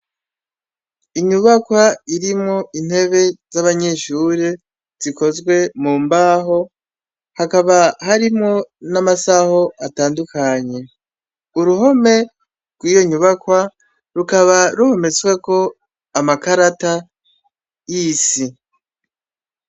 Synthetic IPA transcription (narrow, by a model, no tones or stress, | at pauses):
iɲuβakwaiɾimŋoin̥he̞βe̞zaβaɲe̞ʃuɾe | z̥iko̞zɡwe̞muːmbaːɦo̞ | hakaβahaɾimŋo̞namasaho̞ʔataːndukaɲe̞ | uɾuɦo̞me̞ | ɾɡwiːjo̞ɲuβakwa | ɾukaβaɾuhome̞t͡swe̞ko̞ | amakaɾata | jisi